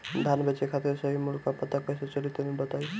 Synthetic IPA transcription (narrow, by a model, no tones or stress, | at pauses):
d̪ʱanbet͡ʃekʰat̪iɾsəɦimulkapət̪akəjset͡ʃəlit̪mibət̪aj